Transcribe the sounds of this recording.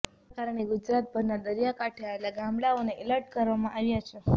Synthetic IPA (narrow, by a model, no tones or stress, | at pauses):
akaɾəɳ̃eɡud͡ʒɾat̪̚bəɾnad̪əɾjakaʈʰeaelaɡambɭaoneʔeləɾʈ̚kəɾʋamãʔaʋjat͡ʃʰe